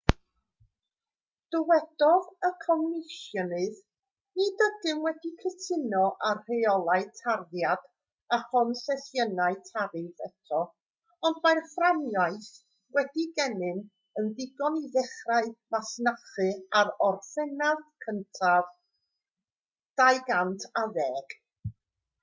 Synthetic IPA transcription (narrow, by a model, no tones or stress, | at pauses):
d̥əwɛd̥ɔðəkʰɔmnɪʃjɔnɨð | nidədɨnwɛdikʰətʰɪnɔʔarr̥eɔlˠaɨtʰarðjad̥ | aχɔnsɛθjənaɨtʰaɾɨnθɛtʰɔ | ɔndmajrfranjajθ | wɛdiɡɛnɨn | əndɪɡɔniðɛχraɨmasnaχɨaɾɔrθɛnaðkʰəntʰav | d̥ajɡantʰaðɛːɡ̥